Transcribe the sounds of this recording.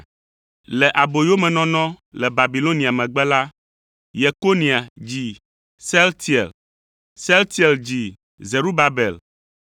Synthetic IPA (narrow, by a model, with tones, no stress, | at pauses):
lɛ˨ʔa˨bo˨jo˦mɛ̃˨nɔ̃˦nɔ̃˦lɛ˨ba˨bi˨lo˦nĩ˨a˨mɛ̃˨ɡ͡bɛ˦la˦ | je˨ko˦nĩ˨a˨d͡ʑi˨ | sɛ˦lt̪i˦˨ɛ̰˨l | sɛ˦lt̪i˦ɛ˨ld͡ʑi˨ | ze˨ɾu˦ba˨bɛ˨l